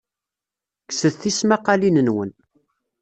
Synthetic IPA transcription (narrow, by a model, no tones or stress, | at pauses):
ksəðθismaqɑlinənwə̰n